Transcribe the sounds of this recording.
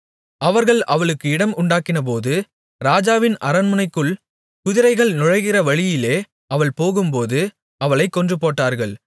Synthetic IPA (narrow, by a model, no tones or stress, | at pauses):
ɐʋɐɾɣɐɭʔɐʋɐɭɯkːɯɪɽɐmʊɳɖaːkːɪnɐp̬oːðɯ | ɾaːd͡ʒaːʋɪnʔɐɾɐnmɯnɐɪkːɯɭ | kʊðɪɾɐɪɣɐɭnʊɻɐɪɣɪrɐʋɐɻɪjɪleː | ɐʋɐɭpoːɣɯmpoːðɯ | ɐʋɐɭɐɪkːɔndrɯpoːʈːaːɾɣɐɭ